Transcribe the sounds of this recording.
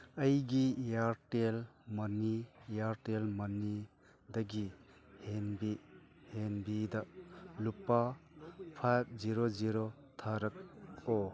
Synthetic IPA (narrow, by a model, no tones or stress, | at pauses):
ɐjɡijaɾtelmɐnijaɾtelmɐnːi | dɐɡihenbi | henbidɐlupːapʰap̚ziɾoziɾo | t̪ʰaɾɐk̚o